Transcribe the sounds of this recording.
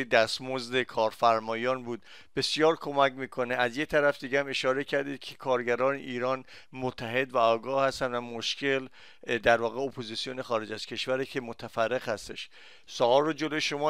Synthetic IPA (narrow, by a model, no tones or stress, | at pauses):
id̪æst̪mozd̪ekʰɒːɾfæɾmɒːjɒːnbuːd̪ | b̥e̞sijɒːɾkʰo̞mæcmiːkʰo̞neæzjet̪ʰæɾæfd̪iːɡɟehæme̞ʃɒːɾe̞cʰæɾd̪iːd̪̥̚cʰe̥kʰɒːɾɟæɾɒːnḛʔiːɾɒːn | mot̪ʰːæɦe̞d̪væɒːɡɒːhhæst̪ænd̪væmoʃcʰe̞l | d̪æɾvɒːɣe̞opʰozisijonexɒːɾe̞d͡ʒæz̥cʰe̞ʃvæɾecʰe̞mot̪ʰæfærːe̞ɣhæst̪e̞̰ʃ | sɒːɒːrːod͡ʒe̞lojeʃo̞mɒː